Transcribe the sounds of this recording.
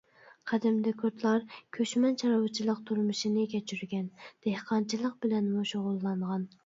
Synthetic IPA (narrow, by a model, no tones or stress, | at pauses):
qʰæd̪ɪmd̪ɛkʲʰuɾt̪lˠɑɾkʲʰøʃmɛnt͡ʃʰɑɾɑwɑt͡ʃʰːilˠəq̚t̪ʰuɾmɨʃinɪkʲɛt͡ʃʰyɾɡʲɛnd̪̥ehqɑnt͡ʃʰilˠəq̚bɪlɛnmuʃoʁʊlˠːɑɴʁɑn